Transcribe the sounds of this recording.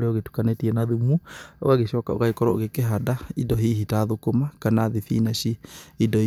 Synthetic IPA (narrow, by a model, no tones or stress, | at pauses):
ɾeɔɣetu̥kanetiɛnaðumuo̰ɣaɣeʃɔkao̰ɣaikɔɾɔoɣekeɦadaidɔɦiːɦitaðokomakanaðiθḭːnaʃiidɔi